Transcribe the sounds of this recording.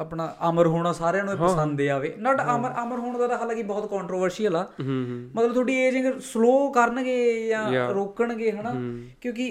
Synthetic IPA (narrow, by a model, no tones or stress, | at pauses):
aːpɳaːʔəməɾɦoːɽ̃aːsaːɾjãːnũːəsənd̪d̪eːaːʋeːnaːʈaməɾaməɾɦoːɳ̃d̪aːɾaːɦaːlãːkibɔːt̪kɔːɳʈɾoːʋəɾsijəlaːmət̪ləbt̪ʰoːɖiːeːd͡ʒɪ̃ɡəsloːkəɾənɡeːjãːɾoːkəɳɡeːɦənaːkjõːkɪ